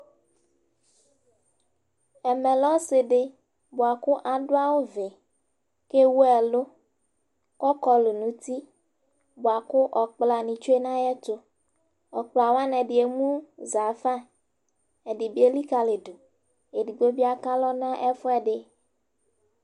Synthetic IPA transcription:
ɛ˨mɛ˨lɔ˦se˨ɖe˦ | bo˨a˨kʊ˦ʔa˨ɖo˦a˦wo˦ve˨ | ke˦wu˦ɛ˨lo˦ | kɔ˦kɔ˦lo˨nũ˨˦t̪i˦ | bo˨a˨kʊ˦ʔɔ˨k͡pla˨nĩ˨t͡ʃo˦e˦nã˦jɛ˦t̪o˦ | ɔ˨k͡pla˨wa˦nɛ̃˨ɖi˨e˨mũ˦za˨fã˦ | ɛ˨ɖi˨bi˦e˦li˦ka˨le˨do˨ | e˨ɖi˨ɡ͡bo˦bi˦a˨ka˦lɔ˦nã˦ʔɛ˦fo˦ɛ˨ɖɪ˨

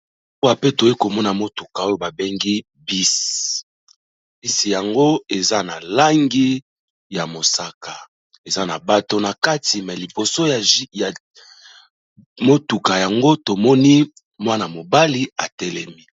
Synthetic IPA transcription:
o˦wa˨pe˦to˨ji˦ko˨mɔ˦na˨mo˦tu˨ka˨o˦jo˨ba˨be˦ŋɡi˦ | bi˦s | bi˦si˨ja˨ŋɡo˦e˨za˦na˨la˦ŋɡi˦ | ja˨mo˨sa˦ka˨ | e˨za˦na˨ba˦to˦na˨ka˦ti˨mɛ˨li˨po˨so˦ja˨˦ja˨ | mo˦tu˨ka˨ja˨ŋɡo˦to˨mɔ˦ni˦ | mwa˦na˨mo˨ba˦li˦a˨tɛ˦lɛ˦mi˦

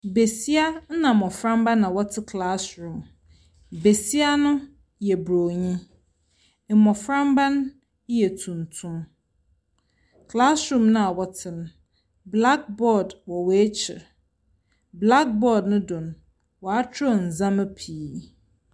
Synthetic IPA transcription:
be˨si˦a˦n̩˦nã˨mɔ̃˨fɾã˦mbã˦nã˨wɔ˦tʰɪ˦kʰla˦sɾũ˨m | be˨si˦a˦nʊ̃˦ | jɛ˨bɾo˨ɲĩ˦ | m̩˨mɔ̃˨fɾã˦mbã˦n˦ | jɛ˨tʰũ˨n˨tʰũ˦m | kʰla˦sɾũ˦˨mnʊ̃˦a˨wɔ˨tʰɪ˨nʊ̃˨ | bla˦k̚bɔ˦˨dwɔ˨wɔ˨˦e˦t͡ɕʰɪ̰˨ | bla˦k̚bɔ˦dnʊ̃˦dʊ̃˨n˨ | wɔ˨a˦tʰɾɔ˦˨n̩˨zã˦mɛ˦pʰiː˨˦

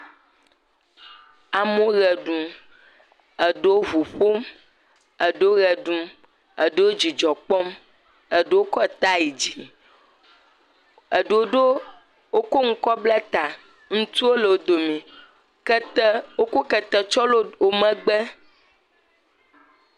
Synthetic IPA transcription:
a˨mõ˦ɣɛ˨ɖũ˨m | ə˨ɖe˦wo˦vu˨ɸo˦m | ə˨ɖe˦o˦ɣɛ˨ɖũ˨m | ə̰˨ɖe˦wo˦d͡ʒi˨d͡ʒɔ˨k͡pɔ˦m | ə˨ɖe˦wo˦kɔ˦˨t̪a˦ji˨d͡ʑi˨ | ə˨ɖe˨wo˦ɖo˦ | wo˦ko˦ŋ̩˦kɔ˦blɛ˦t̪a˨ | ŋũ˦t̪u˦wo˦le˨wo˦d̪o˨mĩ˨˦ | wo˦ko˦kɛ˨t̪ɛ˨t͡ʃɔ˦lo˦wo˦mɛ̃˦ɡ͡bɛ˦

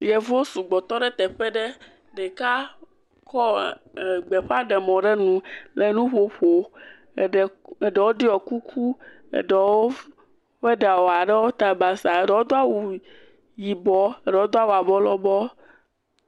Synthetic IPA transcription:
jɛ˨vo˦su˨ɡ͡bɔ˨t̪ɔ˦ɖɛ˦t̪ɛ˨ɸɛ˦ɖe˦ | ɖɛ˨ka˦ | kɔ˦˨ | ɡ͡be˨ɸa˦ɖɛ˨mɔ̃˨ɖe˦nũ˨le˨nũ˦ɸo˦ɸo˨ | ɖe˨ɖɛ˨wo˦ɖi˦ɔ˨ku˦kʰu˦ | ḛ˨ɖɛ˨wo˦ | ɸe˦ɖa˨wo˨a˨ɖɛ˦wo˦t̪a˨ba˨sa˨e˨ɖɛ˨wo˦d̪o˦a˦wu˨ | ji˨bɔ˦e˦ɖɛ˨wo˦d̪o˦a˦wu˨a˨bɔ˦lɔ˦bɔ˦

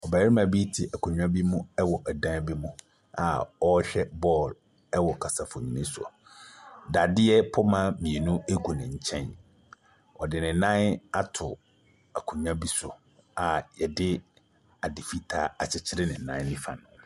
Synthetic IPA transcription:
ɔ˨ba˨˦ɾi˦mã˨bi˦tʰɪ˨ʔæ˨kʰũ˨ɲᶣã˦bi˦mũ˦ɛ˦wɔ˨ʔɛ˨dã˦bi˦mũ˦ | a̰˨ɔ˦ɕᶣɛ˦bɔː˦˨l | ɛ˦wɔ˨kʰa˨sa˨fʊ˨ɲĩ˨nɪ̃˦sʊ˨ɔ̰˨ | da˨dɪ˦ɛ˦pʰɔ˦mã˦mĩ˨e˨nũ˦e˦ɡu˨nɪ̃˨ɲ̩˨t͡ɕʰɛ̃˦n | ɔ˨dɪ˨nɪ̃˨˦nã˦na˦tʰʊ˨ | a˨kʰũ˨ɲᶣã˦bi˦sʊ̰˨ | a˨jɛ˨dɪ˦ | a˨dɪ˨fi˦tʰaː˦a˨t͡ɕʰɪ˨t͡ɕʰɪ˦ɾɪ˦nɪ̃˨nã˦nɪ̃˦fã̰˨nʊ̃˨

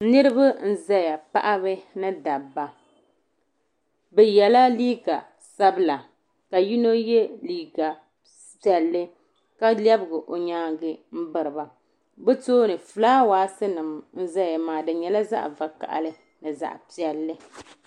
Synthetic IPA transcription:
nɨ˦ɾɨ˦ba˦n̩˦zɛ˦ja˨pa̰˦ʔa˦bɨ˦nɨ˦da˨bːa˨ | bɛ˨jɛ˨la˦liː˦ɡa˨ | sa˦bɨ˦la˨ | ka˨ji˦no˦jɛ˦liː˦ɡa˨ | pi˨˦ɛ˨lːɨ˦ | ka˦lɛ˦bɨ˨ɡɨ˨ʔo˨ɲaː˦ɡɨ˦m̩˦bɨ˨ɾɨ˨ba˨ | bɛ˦toː˦nɨ˨fɨ˨laː˦waː˨˦sɨ˦nɨ˨mn̩˦za˦ja˨maː˨dɨ˨ɲɛ˨la˦za̰˦ʔva˨ka̰˨ʔa̰˦lɨ˦ | nɨ˨za̰˨ʔpi˨ɛ˨lːɨ˦

